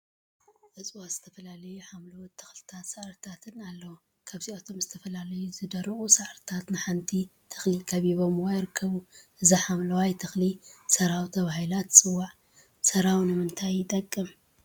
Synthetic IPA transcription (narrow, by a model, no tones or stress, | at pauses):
ʔɐt͡sʼwaz̥ɨt̪ʰɐfɐlalɐjuħamlɐwt̪ʰːɨ̥xlɨt̪ʰat̪saʕɾt̪ʰat̪ʰɨnalːɐwo | kʰaβziʔat̪ʰo̞mzɨt̪ʰɐfɐlalɐjuzɨd̪ɐɾɨχʼusaʕɾt̪ʰat̪nɨħant̪ʰit̪ʰɐ̥xlikʰɐβiβo̞mwajɾɨkʰːɐβuʔɨziħamlɐwajt̪ʰɨxlisɐɾawt̪ʰɐβahilat̪sʼɨwːaʕ | sɐɾawnɨmɨnt̪ʰajːɪt̪ʼɐkʼːɨm